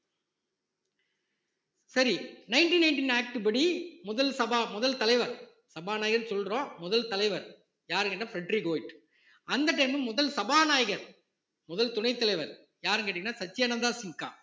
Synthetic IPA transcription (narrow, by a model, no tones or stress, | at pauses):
sɐɾinɐɪnʈinɐɪɳʈinaːk̚ʈɯbɐɽimʊðɐlsɐbaːmʊðɐlt̪ɐlɐɪʋɐɾ | sɐbaːnaːjɪɣɐɾsɔlrõːmʊðɐlt̪ɐlɐɪʋɐɾ | jaːɾɯ̃ŋɡɛɳːafɾɛɖɾiɡoːjʈ | ʔɐnd̪ɐʈːɐɪmɯmmʊðɐlsɐbaːnaːjɣɐɾ | mʊðɐlt̪ʊɳɐɪt̪ːɐlɐɪʋɐɾ | jaːɾɯŋɡɐʈːɪŋɡɐnːaːsɐt͡ʃːɪjɐnɐnd̪aːsɪŋka̰ː